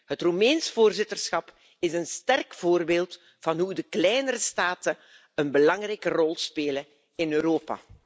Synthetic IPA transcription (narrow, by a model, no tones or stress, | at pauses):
ɦətrumɛnsvoːrzɪtərsxɑp | ɪzənstɛrkv̥oːrbeːlˠt | v̥ɑnɦudəklɛjnəɾəstaːtə | ənbəlɑŋrɛjkərɔlˠspeːlə | ɪnøːɾoːpa̰ː